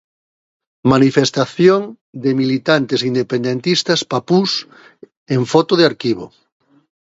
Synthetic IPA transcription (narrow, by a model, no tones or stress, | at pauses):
manifest̪aθjoŋ | d̪emilit̪ant̪esind̪epẽnd̪ent̪ist̪ɐspapus | eɱfɔt̪oðeaɾkiβo̰